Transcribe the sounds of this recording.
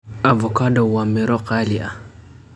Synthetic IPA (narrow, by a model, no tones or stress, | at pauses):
avɔkadɔwamɛɾɔqalia̰